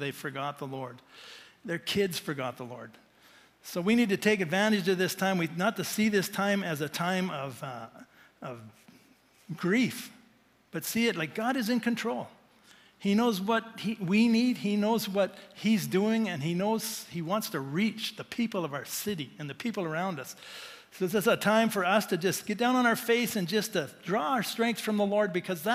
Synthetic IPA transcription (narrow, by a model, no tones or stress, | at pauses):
ðeɪfə˞ɡɑt̪̚ðəlɔɹd̪̚ðə˞kʰɪdz̥fə˞ɡɑt̪̚ðəlɔɹd̪̥ | soʊwinid̚tɨtʰeɪkɨdvæ̃ɾ̃ɨd͡ʒʌðɪstʰãɪ̃mwinətʰɨsiðɪstʰãɪ̃mɨzɨtʰãɪ̃mʌv | ʌv | ɡ̥ɹif | b̥ʌtsiɨt̚ˡlaɪk̚ɡ̥ɑɾɨzɨ̃nkʰɨ̃ntʰɹ̥oʊlˠ | hinoʊzwʌt̚hiwinid̚inoʊzwʌt̚hizduɪ̃ŋɨ̃ninoʊz̥hiwɑ̃ntstʰɨɹit͡ʃðɨpʰipl̩ˠʌvaʊə˞sɪɾiɨ̃nðɨpʰipl̩ˠə˞ãʊ̃ndʌs | soɨsɨsətʰãɪ̃ɱfə˞ʌstʰɨd͡ʒʌsɡ̥ɛt̚d̥ãʊ̃nə̃ñaʊə˞feɪsɨ̃nd͡ʒʌstʰɨdɹɔaə˞stɹ̥ɛ̃ŋk̚θfɹʌ̃mðəlɔɹd̚bɨkʰʌzðə